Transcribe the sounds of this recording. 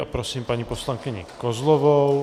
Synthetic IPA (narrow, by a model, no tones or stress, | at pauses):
apɾosiːmpaɲiposlaŋkɪɲɪ̰kozlovow